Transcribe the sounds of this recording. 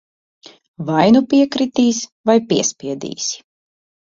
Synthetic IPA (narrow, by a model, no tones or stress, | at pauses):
vajnupʲiɛkɾit̪iːsʲvajpʲiɛsʲpʲiɛd̪ḭːsʲ